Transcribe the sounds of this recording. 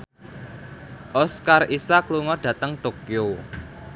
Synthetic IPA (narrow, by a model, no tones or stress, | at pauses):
ʔɔskarisakluŋɔɖ̥ä̤t̪əŋt̪okio